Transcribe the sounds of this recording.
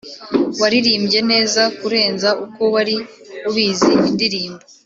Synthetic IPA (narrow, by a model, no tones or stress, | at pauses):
waɾiɾiːmbɟe̞ne̞ːzakuɾe̞ːnzaʔuko̞waɾi | uβiːziindiɾiːmbo